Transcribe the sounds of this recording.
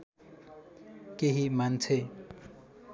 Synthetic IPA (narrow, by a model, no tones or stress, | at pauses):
keɦimant͡sʰe